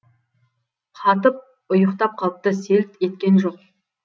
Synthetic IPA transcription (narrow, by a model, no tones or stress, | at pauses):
qʰɑt̪̬əp̚ | ʊjəqt̪ɑp̚qʰɑlˠəp̚t̪əse̞l̚t̪e̞t̪̚kʲe̞nʒoq̚